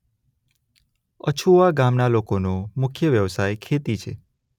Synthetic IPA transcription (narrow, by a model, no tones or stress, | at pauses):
ə̰t͡ʃʰuʋaɡamnalokonomʊkʰjəʋjəʋsajkʰet̪it͡ʃʰḛ